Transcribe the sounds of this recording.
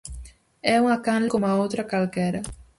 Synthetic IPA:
ɛuŋɐkanlɪkomɐowt̪ɾɐkalkɛɾɐ

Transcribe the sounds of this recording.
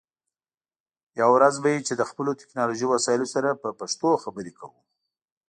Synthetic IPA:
jawɾazbajet͡ʃed̪əxpəlot̪ɪ̥knɑloʒijwasɑjɪlosaɾapəpaʂt̪oxabəɾekʰawu

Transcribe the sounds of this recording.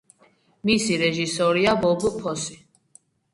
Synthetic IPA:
misiɾɛʒisɔɾiabɔbpʰɔsi

